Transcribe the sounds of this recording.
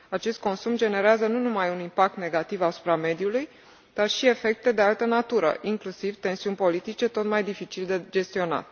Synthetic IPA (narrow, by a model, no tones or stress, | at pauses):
at͡ʃe̞st̪̚ko̞nsumd͡ʒe̞ne̞ɾeazənunumajunimpak̚t̪ne̞ɡat̪ivasu̥pɾame̞d̪juluj | d̪̥arʃie̞fe̞k̚t̪e̞d̪ealt̪ənat̪uɾə̰ʔiŋklusivt̪e̞nsiunʲpo̞lit̪it͡ʃe̞t̪o̞t̪majd̪ifit͡ʃild̪ed͡ʒe̞st̪io̞na̰t̪